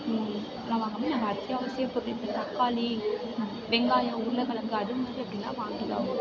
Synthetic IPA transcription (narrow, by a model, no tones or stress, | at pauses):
nːãːʋaːŋɡɐmːeːnaːŋɡɐːt̪ːɪjaːʋɐsɪjɐpːʊɾːɪt̪ːɐt̪ɐkːaːli | ʋɛŋɡaːjɐ̃uːɾlɐkɐɭɐŋɡɯɐɾɯmɐsʈːiɐpːɐɽinːa̰ːʋaːŋɡɪɾa̰ːɣʊ